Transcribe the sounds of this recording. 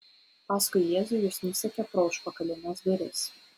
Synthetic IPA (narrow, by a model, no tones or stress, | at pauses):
pɑːskʊɪjeːzʊjʊsnʲʊsʲɛkʲɛpɾɔʊʃpɐkɐlʲɪnʲɛsɡ̪ʲɐɾʲɛs